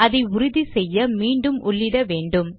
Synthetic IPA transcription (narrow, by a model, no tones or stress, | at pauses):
ɐðɐɪʊɾʊðisɛjːɐmiːɳɖɯmʊɭːɪɾɐʋeːɳɖɯm